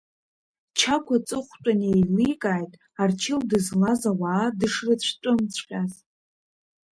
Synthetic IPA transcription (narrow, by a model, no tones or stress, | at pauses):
t͡ʃʰakʷʰat͡sʼɨχʷt͡ʃʷʼanejlijkʼaːjtʼ | art͡ʃʰɪldɨzlazawaːdɨʂrɨt͡ɕʷʰt͡ʃʷʼʊmt͡ɕʷʰqʲʼaz